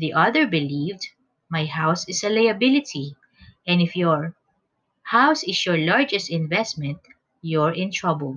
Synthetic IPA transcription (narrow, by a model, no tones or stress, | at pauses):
ðiʔʌðɛɹbɪlivd̪ | majhawsɪsɐlajɐbɪlɪt̪ʰi | ʔɛ̃nɪfjɔɹ | hawsɪsjɔɹlaɹd͡ʒɛst̪ɪ̃nvɛstmɛ̃nt̪ | jɔɹɪ̃nt̪ɹabəlˠ